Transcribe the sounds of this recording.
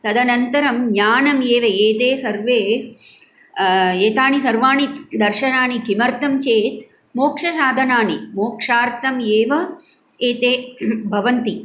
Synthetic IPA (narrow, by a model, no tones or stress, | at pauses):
t̪ɐd̪ɐnɐnt̪ɐɾɐmɲaːnɐmjeːʋɐeːt̪eːsɐɾʋeː | eːt̪aːɳisɐɾʋaːɳit̪d̪ɐɾʃɐnaːɳikimɐɾt̪ɐmt͡ʃeːt̪ | moːkʂɐʃaːd̪ʱɐnaːnimoːkʂaːɾt̪ɐmjeːʋɐ | eːt̪eːbʱɐʋɐnt̪i